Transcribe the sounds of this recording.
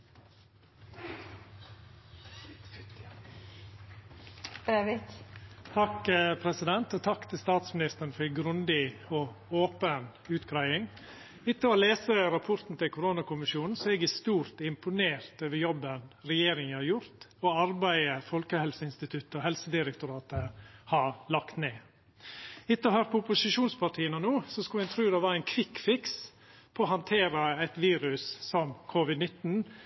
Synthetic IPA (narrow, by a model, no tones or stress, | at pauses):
t̪ʰɑkpʰɾɛsɪd̪ɛnt̪ɔːt̪ʰɑkːt̪ʰɪlst̪ɑːt̪smɪnɪst̪əɾn̩fɔɾɡɾʉnd̪ɪɔːoːpən | ʉːt̪kʰɾɑɪɪŋ | ɪt̪ːəoːleːsəɾɑpʰʊɾt̪n̩t̪ʰɪlkʰʊɾoːnɑkʊmɪʃjuːn̩sɔɛɡæst̪uːɾt̪ɪmpʊneːɾt̪øːʋəjɔbːənɾɛjeːɾɪŋəhɑɾjʊɾt̪ɔɑɾbæɪəfɔlkəhɛlsəɪnst̪ɪt̪ʰʉt̪ːəɔhɛlsəd̪ɪɾɛk̚t̪ʊɾɑːt̪əhɑlɑkt̪neː | ɪt̪ːəɔhøːɾpʰɔʊpʊsɪʃuːnspʰɑʈʰiːənənuːsɔskɑlhɛnt̪ʰɾʉːd̪ɛʋɑɾæɪnkʰʋɪkfɪks | pʰɔːhɑnt̪ʰeːɾəæt̪ʋiːɾʉsːɔmkʰʊʋɪd̪nɪt̪n̩